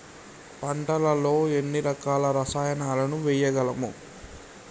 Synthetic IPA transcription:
pɐɳʈɐlɐlo̞ːenːiɾɐkaːlɐɾɐsaːjɐnaːlɐnuʋɛjɐɡɐlɐmṵ

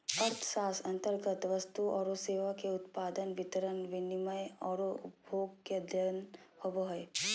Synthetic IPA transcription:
ɐɾt̪ʰʃaːsɐ̃nt̪əɾɡət̪ʋɐst̪uɔːɾoseːʋakeʊt̪paːd̪ənʋɪt̪əɾənʋɪnɪməjɔːɾobʱoːɡkeɐd̪ʱjənhoboɦe

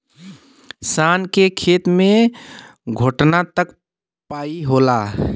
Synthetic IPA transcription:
saːnkekʰeːt̪mẽ | ɡʱoʈnat̪ək | paːiɦola

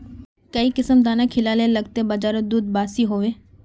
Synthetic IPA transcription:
kəiːkɪsəmd̪aːnaːkʰɪlaːləeləɡ̚t̪eːbəd͡ʒaːɾod̪uːd̪baːsiɦoːʋeː

